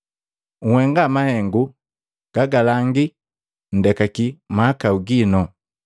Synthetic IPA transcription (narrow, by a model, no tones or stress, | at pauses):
ŋ̩hwɛŋɡamahɛŋɡu | ɡ̥aɡalaŋɡi | n̩dɛkakimaːkauɡinɔ